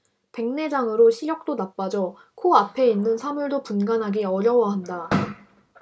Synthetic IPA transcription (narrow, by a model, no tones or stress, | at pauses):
pe̞ŋne̞d͡ʑaŋɯɾoɕʰiɾjʌk̚t͈onap͈ad͡ʑʌ | kʰoapʰe̞inːɯnsʰamuɭdopunɡanɦaɡiʌɾjʌwʌɦanda